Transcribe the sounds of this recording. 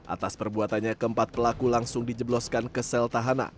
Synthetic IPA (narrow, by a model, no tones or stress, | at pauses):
ʔa̰t̪aspərbuat̪anɲakəəmpat̪̚pəlakulaŋsʊŋdid͡ʒəblɔskankəsɛlt̪aɦana̰